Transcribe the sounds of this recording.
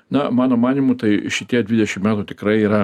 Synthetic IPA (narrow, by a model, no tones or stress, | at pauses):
nɐmɑːnoːmɑːnʲɪmut̪ɐɪʃʲɪt̪ʲiɛd̪ʲʋʲɪd̪ʲɛʃʲɪmmʲæːt̪uːt̪ʲɪkɾɐɪiːɾɐ